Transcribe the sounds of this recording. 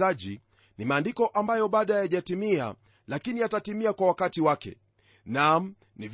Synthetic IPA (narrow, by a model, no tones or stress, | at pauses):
aʄi | nimaːndikɔʔambajɔɓaɗajaʄatimia̰ | lakiniatatimiakwawakatiwakɛ̰ | nam̩ | niv